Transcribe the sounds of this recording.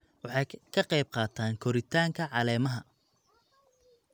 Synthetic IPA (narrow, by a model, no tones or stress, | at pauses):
wɑħɑjkʰɐqɑjb̚qɑːt̪ʰaːŋkʰɔɾɪt̪ʰaːŋkʰɐʕɑlɛːmɐɦɐ